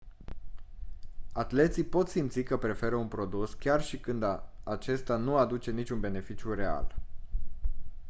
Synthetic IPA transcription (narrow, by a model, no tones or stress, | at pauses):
at̪le̞t̪sijpo̞t̪simt̪sikəpɾe̞fe̞ɾəunpɾo̞d̪uskʲarʃikɨnd̪at͡ʃe̞st̪anuad̪ut͡ʃe̞nit͡ʃʲunbe̞ne̞fit͡ʃjuɾe̞a̰l